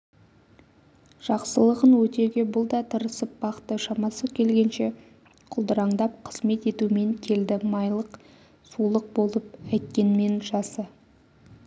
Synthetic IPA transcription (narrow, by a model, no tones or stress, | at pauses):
ʒ̥ɑqsəlˠəʁənwɵt̪e̞ɡʲe̞bʊlˠd̪ɑt̪ʰəɾəsəp̚bɑqt̪əʃɑmɑsəkʲʰe̞lɡʲe̞nʃe̞ | qʰʊlˠd̪əɾɑɴd̪ɑp̚qʰəz̥me̞t̪e̞t̪ume̞ŋkʲʰe̞ld̪ɪmɑjlˠəq | sulˠəq̚bo̞lˠəpæjt̪̚kʲe̞nme̞nʒɑsə